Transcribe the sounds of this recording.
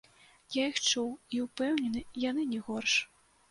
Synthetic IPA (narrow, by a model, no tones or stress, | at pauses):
jaixt͡ʂuwiwpɛwnʲɛnɨjan̪ɨnʲɛɣɔrʂ